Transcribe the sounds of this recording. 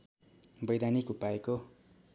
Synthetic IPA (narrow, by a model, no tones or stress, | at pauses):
bʌjd̪anikupaeko